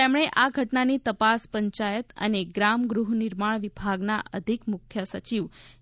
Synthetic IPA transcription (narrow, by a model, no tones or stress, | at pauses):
emɽ̃eʔaɡʱəʈnanit̪əpaspəɲt͡ʃajət̪ə̰neɡɾamɡɾuɦnɪɾmaɳ̃ʋibʱaɡnaʔəd̪ʱikmʊkʰjəsət͡ʃiʋ